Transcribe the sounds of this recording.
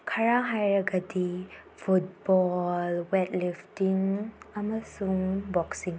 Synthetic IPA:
kʰaɾaɦajɾaɡadi | pʰut̚bɔlwɛtliftiŋaməsuŋbɔksiŋ

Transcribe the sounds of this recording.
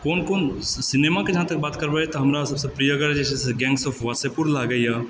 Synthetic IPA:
koːnkoːnsɪnemaked͡ʒɐɦãt̪ɐk̚baːt̪kəɾbɛt̪ɔɦɐmɾasɐbsepɾijəɡəɾd͡ʒɛseseɡɛ̃ːŋɡsopʰʋasepuɾlaɡəja

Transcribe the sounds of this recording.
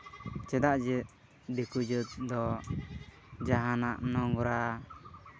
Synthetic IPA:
t͡ʃɛd̪aʔd͡ʒɛ | d̪ikud͡ʒət̪̚d̪ɔ | d͡ʒaɦanaʔnɔŋɡɔɾa

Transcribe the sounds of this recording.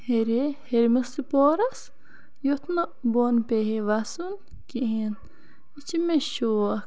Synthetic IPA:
heɾeheɾmɐst̪ipoːɾɐs | jot̪ʰnɐboːnpeɦeʋaːsun | kiɦen | it͡ʃimeʃoːɐ

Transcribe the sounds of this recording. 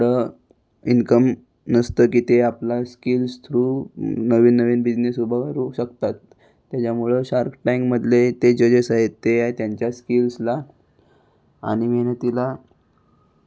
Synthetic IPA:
ɽə | inkəm | nəst̪əkiːt̪eaplaskilst̪ʰɾuːnəʋiːnːəʋiːnbid͡ʑnesubʱəɾuɕəkt̪at̪ː | jat͡ɕjamuɭəɕaɾkʈajŋɡməd̪ʱlet̪ed͡ʑəd͡ʑesaɦet̪ːeaɦet̪jaɲt͡ɕjaskilsla | a̰ɽ̃imeɦnət̪ila

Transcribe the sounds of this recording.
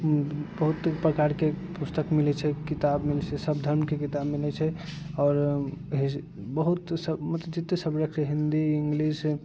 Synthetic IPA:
bəɦut̪pɾəkaɾkepust̪əkmilɛt͡ʃʰɛkit̪abmilɛt͡ʃʰɛsəbd̪ʱəɾmkekit̪abmilɛt͡ʃʰɛ | ɔːɾɦ | bəɦut̪səmut̪d͡ʒit̪ːesəbɾəkʰt͡ʃʰɛɦind̪iiŋɡlis

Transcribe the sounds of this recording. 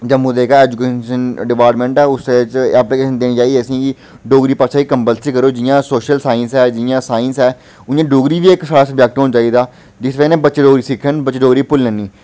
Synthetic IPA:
d͡ʒəmːũːd̪eːkaɛːd͡ʒukeːʃənɖɪpaːɾʈmẽːɳʈɛːʊsd̪et͡ʃɛːplikeːʃənd̪eːniːt͡ʃaːieːəsĩːkɪ | ɖoːɡɾiːpaːʃʰaːiːkəmpəlsikəɾoːd͡ʒɪjãːsoːʃəlsaːɪnsɛːd͡ʒɪjãːsaːɪnsɛː | ʊjãːɖoːɡɾiːʋiːɪksaːɽaːsəbd͡ʒɛk̚ʈɦoːnt͡ʃaːiːd̪aː | d͡ʒɪsʋenẽːbətːʃeɖoːɡɾiːsɪkʰːənbətːt͡ʃːeɖoːɡɾiːpʊlːɛːniː

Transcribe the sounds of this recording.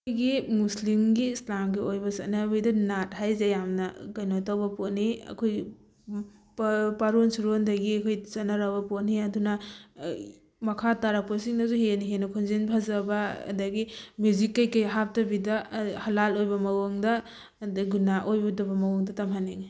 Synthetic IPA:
ɡimuslimɡislamɡiojbɐsɐtnabidɐnat̚hajzajamnɐɡɐjnotawbɐpotniɐ̰kʰoj | ppaɾonsuɾondɐɡiɐkʰojsɐnaɾabɐpotniɐdunɐ | mɐkʰataɾaposiŋnɐzuheniɦenɐkʰonzenpʰazɐbɐ̰ːdɐɡimjuzikːajkɐjɦap̚tɐbidɐhɐlalojbɐmɐwoŋdɐ | dɡunaʔojbɐdɐbɐmɐwuŋdɐtɐmɦaniŋ

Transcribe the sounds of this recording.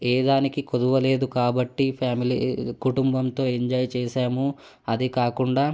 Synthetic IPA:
eːd̪aːnikikod̪uʋɐle̞ːd̪ukaːbɐʈːipʰjaːmilḭkuʈumbɐmt̪o̞ːeɲd͡ʒɐːjt͡ʃeːʃaːmu | ɐd̪ikaːkuɳɖaː

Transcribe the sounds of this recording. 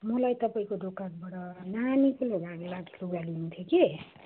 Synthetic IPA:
mʌlajt̪ʌpaĩkod̪okakbaʈʌnanikuloɡaɡlaɡiuɡalinũt̪ʰjoki

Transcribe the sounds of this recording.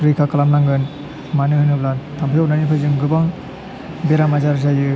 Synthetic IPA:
ɾɯjkʰakalamlaŋɡɯn | manɯhɯnɯblantʰampʰijawnanipʰɯzɯŋɡɯbaŋ | beɾamazaɾzajɯ

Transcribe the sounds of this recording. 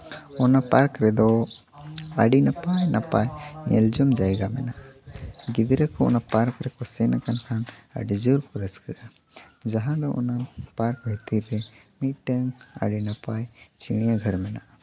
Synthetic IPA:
ɔnapaɾkɾɛd̪ɔ | aɖinapajnapajɲɛld͡ʒɔmd͡ʒajɡamɛna | ɡid̪ɾəkɔɔ̰napaɾkɾɛkɔsɛnakankʰana̰ɖid͡ʒəɾkɔɾəskəa | d͡ʒaɦãd̪ɔʔɔ̰napaɾkbʱɛt̪iɾɛmiʈəŋa̰ɖinapajt͡ʃiɽ̃ijaɡʱəɾmɛna

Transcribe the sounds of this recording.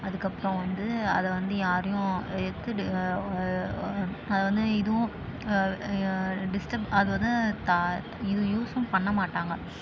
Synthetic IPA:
ɐðɯkːɐpːɯɾɔ̃ʋɐnd̪ɯɐðɛʋɐnd̪ɯjaːɾɐjʊ̃ɛt̪ːɯ | ɐðɛʋɐnd̪ɯɪðɯʋʊ̃ | ɖɪsʈɐpɐðɯʋɐnd̪ɯt̪a | ɪðɯ̃juːsʊ̃mpɐɳːɐmaːʈːaːŋɡɐ

